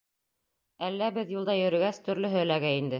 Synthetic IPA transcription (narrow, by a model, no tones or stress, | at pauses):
ælːæbɘðjulˠd̪ɑjɵ̆ɾɘ̆ɡæst̪ɵ̆ɾlɵɦɵ̆læɡæind̪ɘ